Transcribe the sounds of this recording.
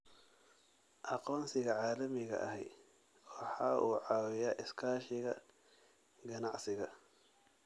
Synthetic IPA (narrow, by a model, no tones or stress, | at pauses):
ʔɑqɔːnsɪɣɐʕɑːlɐmɪɣɐ̰ʔɐ̰hɛjd̪ | wɑħɑːʔuːʕɑːwɪjaːʔɪskʰaːʃɪɣɐ | ɡɐnɑʕsɪɣɐ